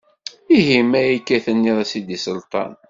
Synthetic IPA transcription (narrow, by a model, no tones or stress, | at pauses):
iɦimæjikːæθənːiðˤæsid̪isəlt̪ˤɑ̰n